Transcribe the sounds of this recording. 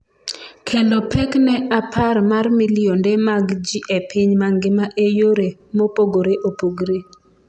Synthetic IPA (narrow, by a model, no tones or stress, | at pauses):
kʰendɔpʰɛknɛapʰarmarmilɪondemaɡd͡ʒiʔepɪɲmaŋɡɪmaʔejoɾemopoɡoɾeʔopoɡɾe